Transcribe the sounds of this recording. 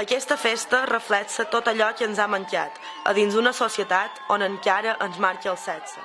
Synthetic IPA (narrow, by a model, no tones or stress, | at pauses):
əkɛst̪əfest̪ərəflɛksət̪ot̪əʎɔkənzaməŋka̰t̪ | ə̰ðinzd̪unəsosiət̪at̪onəŋkaɾəʔənzmaɾkəəlˠsɛt͡sə